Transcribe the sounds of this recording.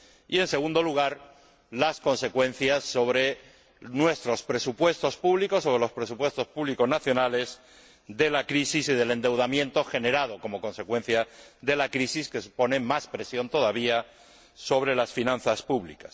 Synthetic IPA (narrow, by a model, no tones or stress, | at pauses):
ie̞nse̞ɣ̞ũnd̪o̞luɣ̞aɾ | lasko̞nse̞kwẽ̞n̟θjasːo̞βɾe̞ | nwe̞st̪ɾo̞spɾe̞supwe̞st̪o̞spuβliko̞sːo̞βɾelo̞spɾe̞supwe̞st̪o̞spuβliko̞znaθjo̞nale̞z | d̪e̞lakɾisisiðe̞le̞nd̪e̞wð̞amjẽ̞nt̪o̞xe̞ne̞ɾað̞o̞ko̞mo̞ko̞nse̞kwẽ̞n̟θjaðe̞lakɾisiske̞supo̞ne̞maspɾe̞sjo̞nt̪o̞ðaβia | so̞β̞ɾe̞lasfinãn̟θaspuβlikas